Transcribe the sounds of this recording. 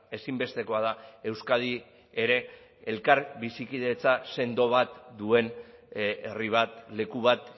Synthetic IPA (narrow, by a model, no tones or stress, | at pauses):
e̞simbe̞st̪e̞ko̞að̞ae̞wskaði | eɾe̞ː | lkaɾbisikiðe̞t͡sase̞nd̪o̞β̞at̪d̪ue̞n | eriβ̞at̪le̞kuβat̪